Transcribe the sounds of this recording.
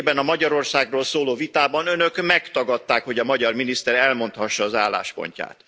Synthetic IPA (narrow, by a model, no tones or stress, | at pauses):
bɛnɒmɒɟɒɾo̞rsaːɡroːlsoːloːvit̪aːbɒnønø̞kmɛkt̪ɒɡɒt̪ːaːkho̞ɟɒmɒɟɒrminist̪ɛɾɛlmo̞nt̪hɒʃːɒːzaːlːa̰ːʃpo̰ɲca̰ːt̪